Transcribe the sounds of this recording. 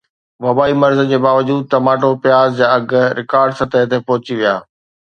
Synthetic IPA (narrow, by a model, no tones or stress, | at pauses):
ʋɐbaːimɐɾzəd͡ʑeːbaːʋəd͡ʑuːd̪̚t̪ɐmaːʈopjaːzd͡ʑaːɐɡ̆ɾɪkaːɾɖsɐt̪əɦət̪epɔɦʊt͡ɕiʋija̰ː